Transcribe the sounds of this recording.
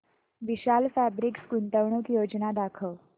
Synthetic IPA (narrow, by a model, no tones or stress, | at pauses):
ʋiɕalfæbɾikskunt̪əʋɳukjod͡ʑnad̪akʰəʋ